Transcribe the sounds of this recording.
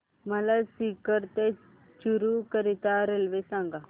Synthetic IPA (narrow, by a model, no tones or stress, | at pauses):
məlasikəɾt̪e | t͡ʃuɾukəɾit̪aɾelʋesãŋɡa